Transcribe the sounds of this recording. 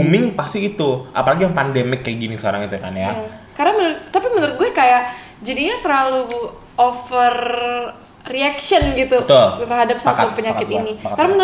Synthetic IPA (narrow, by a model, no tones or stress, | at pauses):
umɪŋpast̪iːt̪uʔa̰palaɡijaŋpandemɪkːajaɡinisəkaɾa̰ŋit̪uakanja | kaɾaŋmənɾʊt̪̚t̪apimənəɾʊt̪̚ɡuɛkajaʔ | d͡ʒadiɲat̪ərlalu | ofərː | iakʃɔnɡit̪ut̪ʊərɦadap̚saat̪upəɲakɪt̪inikkaɾaŋmənə